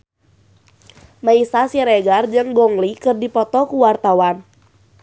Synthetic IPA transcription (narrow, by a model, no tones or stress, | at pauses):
maisasiɾɛɡard͡ʒɨŋɡɔŋlikɨrdipɔt̪ɔkuwart̪awan